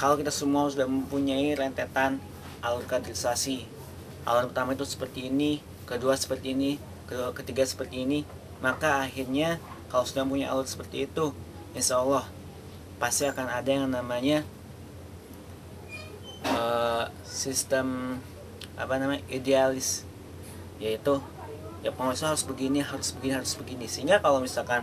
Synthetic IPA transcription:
kalowkit̪asəmuasudahməmpuɲaiɾɛnt̪et̪an | alut̪̚kad̪ɾisasi | ʔa̰lɔt̪̚pərt̪amait̪usə̥pərt̪iːni | kəduasə̥pərt̪iːni | kəduakət̪iɡasə̥pərt̪iːni | makaːhirɲa | kalosudahməmp̬uɲaj̰ʔa̰lʊt̪sə̥pərt̪iːt̪u | inʃaːlːɔh | past̪iakanadajaŋnamaɲa | ə | sist̪əm | a̰panamaɲaʔidealɪs | jait̪u | japəŋɔsaɦaɾʊsbəɡiniɦaɾʊsbəɡiniɦaɾʊsbəɡinisəiŋɡakalawmisalkan

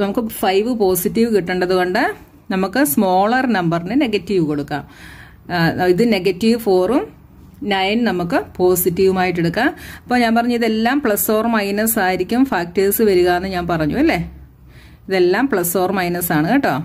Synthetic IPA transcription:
nɐmukːɨfɐjʋɨpo̞ːsitːiʋɨkiʈːuɳɖɐðuko̞ɳɖɨ | nɐmukːɨsmo̞ːɭɐrnɐmbɐrinɨne̞ɡɐtːiʋɨko̞ɽukːa̰ːm | iðɨne̞ɡɐtːiʋfo̞ːrum | nɐjnnɐmukːɨpo̞ːsitːiʋumaːjiʈ̬ːeɽukːaːmɐpːoːɲaːnp̬ɐrɐɲːuiðe̞lːaːmpɭɐsfo̞ːrmɐjnɐsaːjiɾikʲːumfaːk̚teːsɨʋɐɾuɣaːɐnːɨɲaːnpɐrɐɲːuɐlːe̞ | iðe̞lːaːmpɭɐsfo̞ːrmɐjnɐsaːɳɨkiʈːoː

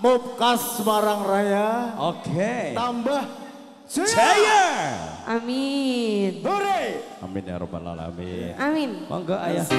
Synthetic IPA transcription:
mop̚kasmaɾaŋrajaokʰet̪ambah | d͡ʒd͡ʒajaʔami | noɾe | a̰mɪnja̰ɾo̰ba̰la̰la̰mḭnaminma̰ŋɡaʔaja

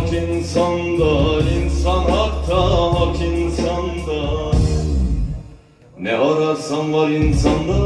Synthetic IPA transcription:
kinsand̪ainsanɦakt̪ʰaɦakʰinsand̪a | nɛoɾasanvaɾinsanlˠɯ

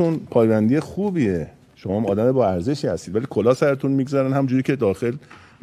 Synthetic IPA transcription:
unpʰɒːjbænd̪ijexuːbie | ʃomɒːmɒːd̪æmebɒːæɾze̞ʃiːhæst̪iːd̪væliːkʰolɒːsæɾet̪ʰunmiːɡzæɾænhæmũd͡ʒuɾiːcʰed̪ɒːxe̞l

